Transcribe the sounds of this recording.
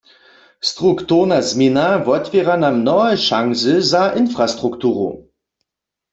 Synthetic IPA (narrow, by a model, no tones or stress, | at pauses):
stʁ̥ʊktʰoʁnasminavɔtv̥eʁanamnɔəʃaŋzəzaːʔɪnfʁ̥astʁ̥ʊktʰuːʁo̰